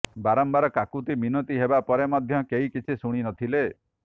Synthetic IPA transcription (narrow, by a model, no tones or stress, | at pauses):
baɾɔmbaɾɔkakut̪iminot̪iɦebapɔɾemɔd̪ʱjɔkeikit͡ʃʰisuɽ̃inɔt̪ʰile